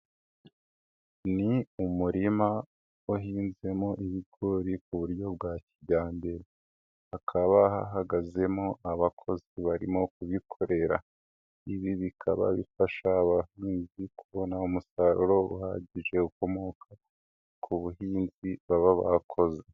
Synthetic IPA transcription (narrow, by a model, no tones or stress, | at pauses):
niumuɾima | ohiːnze̞mo̞ʔihiɡoɾikuβuɾjo̞bɡaciɟaːmbeɾe | akʰaβaha̰ɦaɡaze̞mo̞ʔaβakʰo̞ziβaɾḭmo̞kuβikʰoɾe̞ɾa̰ | iβiβikʰa̰βa̰βifaʃaːβahiːnzikuβo̞naumusaɾoɾo̞ṵha̰ɟiʒe̞uko̞mo̞kʰa | kʰuβuɦiːnziβaβaβa̰kʰo̞ze